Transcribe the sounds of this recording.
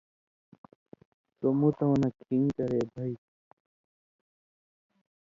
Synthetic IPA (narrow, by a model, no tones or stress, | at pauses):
somũt̪ɐ̃nɐkʰiːŋkɐɾeːbʱɐi